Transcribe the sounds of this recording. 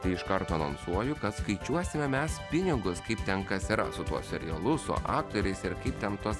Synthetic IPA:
t̪ɐɪɪʃkɐɾt̪oːnɐnsuɔjʊkɐt̪skɐɪt͡ʃʲuɔsʲɪmʲɛmʲɛspʲɪnʲɪɡʊskɐɪp̚t̪ʲɛnkɐsiɾɐ̰sʊt̪uɔssʲɛɾʲɪ̰jɛlˠʊsʊ̰ʔɑːk̚t̪oːɾʲɛɪsɪɾkɐɪpt̪ʲɛnt̪uɔs

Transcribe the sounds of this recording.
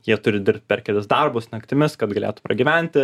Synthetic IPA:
jiɛt̪ʊɾʲɪd̪ʲɪɾʲp̚ʲt̪̚ʲpʲɛɾʲkʲɛlʲɪsd̪ɐrbʊsnɐkt̪ʲɪmʲɪskɐt̪ɡɐlʲeːt̪ʊpɾɐɡʲiːʋʲænʲt̪ʲɪ

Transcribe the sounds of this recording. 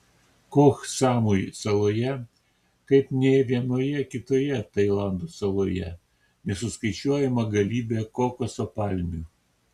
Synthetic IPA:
koːksɑːmujsɐlˠoːjɛ | kɐɪpnʲɛʋʲiɛnoːjɛkʲɪt̪oːjɛt̪ɐɪlˠɑˑnd̪oːsɐlˠoːjɛ̰ | nʲɛsʊskɐɪt͡ʃʲuɔjɛmɐɡɐlʲiːbʲeːkoːkosopɑlʲmʲuː

